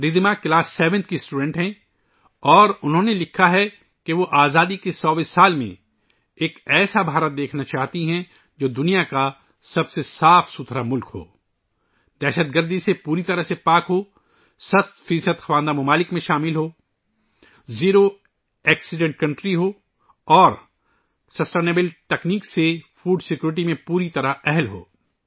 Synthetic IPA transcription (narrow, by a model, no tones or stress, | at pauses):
ɾɪd̪makɪlaːsːɛːʋɛ̃nt̪ʰkisʈuːɖɛ̃ɳʈɦɛ̃ | ɔːɾʊnɦõnelɪkʰːaɦɛ | keʋoʔaːzaːd̪ikesɔːbɪsaːlmḛ̃ | eːkɛːsabʱaːɾət̪̚d̪eːkʰnat͡ʃaːɦt̪iɦɛ̃ | d͡ʒoːd̪ʊnijaka | sɐbsesaːfsʊt̪ʰɾamʊlkɦo̰ː | d̪ɛːʃət̪̚ɡəɾd̪isepuːɾit̪ɐɾəɦsepaːkɦoː | sɐt̪̚fiːsəd̪xɐwãːnd̪amɐmaːlɪkmẽʃaːmɪlɦoː | ziːɾo | ɛːksɪɖɛ̃ɳʈ̚kɐ̃ɳʈɾiɦoː | ɔːɾ | sɐsʈeːneːbəlʈɛkniːksefuːɖsɪkjuːɾɪʈ̬imẽpuːɾit̪ɐɾaɛɦlɦo̰ː